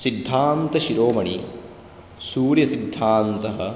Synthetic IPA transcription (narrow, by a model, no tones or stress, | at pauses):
sid̪ʱːaːnt̪ɐʃiɾoːmɐɳi | suːɾjɐsid̪ʱːaːnt̪ɐɦɐ̆